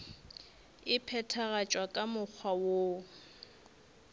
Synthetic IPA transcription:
ɪpʰɛtʰaɣat͡ʃʼwakʼamʊk͡xʰwawo

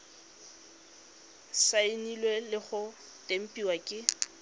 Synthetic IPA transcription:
saɪnilwelɪχʊ | tʼem̩pʼiwakʼɪ

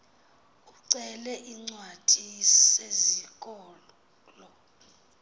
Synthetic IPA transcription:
uǀɛlɛʔiŋ͡ǀwad̥ʱisezik̬ʼɔː | lɔ

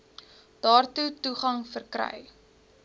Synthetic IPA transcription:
d̥ɑːrtutuχɐŋfərkrɛ̰j

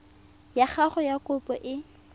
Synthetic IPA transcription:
jaχaχʊjakʊpʼɔʔɪ

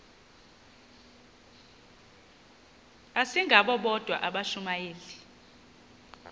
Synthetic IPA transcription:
asiŋɡʱaɓɔɓɔd̥ʱwa̰ʔaɓaʃumajeːli

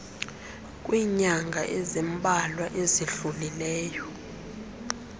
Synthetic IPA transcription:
kʼwiːɲaŋɡʱaʔɛzɛmbʱʼalwaʔeziɬulilɛːjɔ

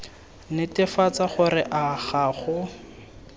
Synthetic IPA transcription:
nɪtɪfat͡saχʊrɪʔaχaːχʊ

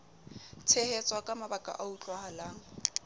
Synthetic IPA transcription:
t͡sʰehet͡sʼwakʼamabakʼa̰ʔaut͡ɬʼwahalaːŋ̩

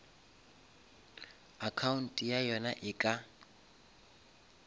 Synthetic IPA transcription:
akʰaun̩tʼijajɔnaʔɪkʼa

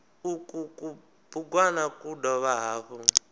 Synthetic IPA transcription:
ukuku | buɡwanakudɔβaɦaːɸɔ

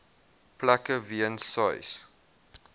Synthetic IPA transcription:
plækəviənsajs

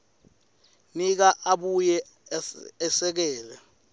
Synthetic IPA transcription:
nik̬aʔaɓujɛː | sɛk̬ɛːlɛ̰

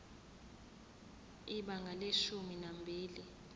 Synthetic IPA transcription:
iɓaŋɡʱaleʃuminambʱiːli

